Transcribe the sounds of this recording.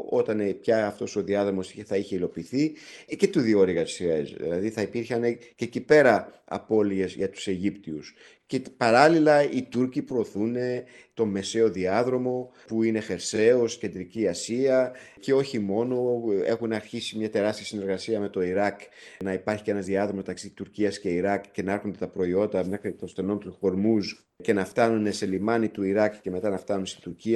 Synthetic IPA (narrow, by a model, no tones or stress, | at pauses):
o̞t̪ɐnepçɐːft̪o̞so̞ðiɐðɾo̞mo̞siθɐiçe̞ilo̞piːθice̞t̪uðio̞ɾiɣɐsiḛzðḭlɐðiθɐipiɾçɐnececipe̞ɾɐɐ̰po̞lie̞zʝɐt̪u̥se̞ʝipt̪ius | cepɐɾɐlilɐit̪uɾcipɾo̞ːθune̞ | t̪o̞me̞se̞o̞ðiɐðɾo̞mo̞ | puine̞xe̞ɾse̞o̞sce̞nd̪ɾiciɐsiɐ | ce̞o̞çimo̞no̞e̞̰xunɐɾçisimɲɐt̪e̞ɾɐst̪iɐsine̞ɾɣɐsiɐme̞t̪o̞iɾɐknɐipɐɾçi̥ce̞nɐzðiɐðɾomomet̪ɐksit̪uɾciɐsce̞iɾɐkce̞nɐeɾxo̞nd̪et̪ɐpɾo̞io̞nd̪ɐmnɐkit̪ost̪e̞no̞nt̪ofo̞ɾmus | ce̞nɐft̪ɐnune̞se̞limɐnit̪uiɾɐkce̞me̞t̪ɐnɐft̪ɐnunest̪i̥t̪uɾciɐ